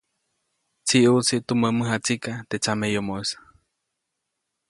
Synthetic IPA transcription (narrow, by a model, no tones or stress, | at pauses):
t͡siʔut͡siʔt̪uməməɦat͡sikat̪et͡samejomoesḁ